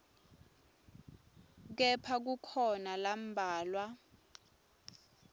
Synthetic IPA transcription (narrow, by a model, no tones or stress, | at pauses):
k̬ɛpʰak̬ukʰɔnalam̩bʱaːlwa